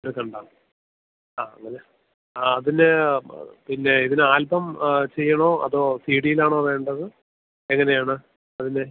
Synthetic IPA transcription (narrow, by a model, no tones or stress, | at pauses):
oɾukɐɳɖaːm | aːŋːɐne | ɐðine | pinːe̞iðinɨaːlbɐmt͡ɕe̞jːɐɳo̞ːɐ̰ðo̞ːsiːɽijilaːɳo̞ːʋe̞ːɳɖɐðɨ | eŋːɐne̞jaːɳɨ | ɐðine